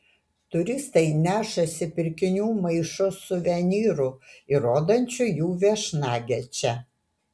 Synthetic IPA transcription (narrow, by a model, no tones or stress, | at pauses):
t̪ʊɾʲɪst̪ɐɪnʲæːʃɐsʲɪpʲɪɾʲkʲɪnʲuːmɐɪʃʊsʊʋʲɛnʲiːɾʊɪɾoːd̪ɐnʲt͡ʃʲʊjuːʋʲɛʃnɑːɡʲɛt͡ʃʲɛ